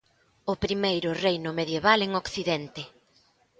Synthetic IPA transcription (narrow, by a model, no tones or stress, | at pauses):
ʊpɾimejɾʊrejnʊmeðjeβaleŋokθiðɛnt̪ɪ